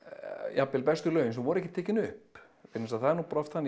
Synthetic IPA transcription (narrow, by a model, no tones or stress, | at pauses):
japːɪlpɛst̪ʏlœːɥjʏnsɛmvɔɾɛhcɪ̥t̪ʰɛːcɪnʏhp | fɪɾnɪsaðθaðɛɾnuwpɾɔft̪hanː